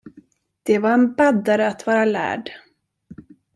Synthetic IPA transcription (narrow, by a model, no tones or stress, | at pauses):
d̪̥ɛvaɾɛnbad̪aɾəat̪vɑːɾalæ̰ːɖ